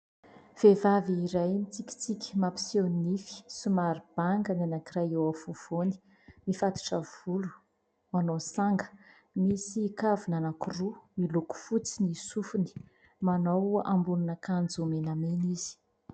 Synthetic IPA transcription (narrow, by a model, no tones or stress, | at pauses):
v̥evaviːɾajmit͡sikʲi̥t͡sikʲi̥mapi̥sonnifi̥sumaɾib̥aŋɡənanakiraewafuv̥oni̥ | mifat̪i̥ʈ͡ʂəv̥ulu̥ | manosaŋɡə̥ | misiːkavunanakurumiluku̥fut͡sinisufuni̥ | manawa̰mbununəkand͡zumenameniz̥i̥